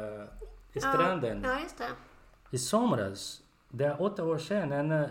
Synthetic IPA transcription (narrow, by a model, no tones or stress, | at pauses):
ɪst̪ɾand̪ənjst̪ɛisɔmɾa̰s | d̪ɛæɾʔɔt̪ːaoːʂenɛn